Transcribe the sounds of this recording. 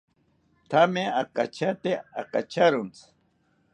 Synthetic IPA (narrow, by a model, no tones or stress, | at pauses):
t̪ʰameakat͡ʃat̪ea̰ka̰t͡ʃaɾʊnt͡s